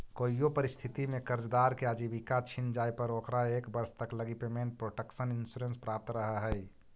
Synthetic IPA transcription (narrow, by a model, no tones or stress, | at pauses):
koijopəɾist̪ʰit̪imekəɾd͡ʒd̪aɾkead͡ʒibikat͡ʃʰind͡ʒajpəɾokɾaekbəɾst̪əkləɡipemenʈ̚pɾoʈəksəninsuɾẽnspɾap̚t̪ɾəɦəɦəj